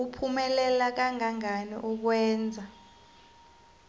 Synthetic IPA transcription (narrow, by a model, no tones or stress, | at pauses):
upʰumɛlɛlak̬aŋaŋanḭʔuk̬wɛːnd͡zʱa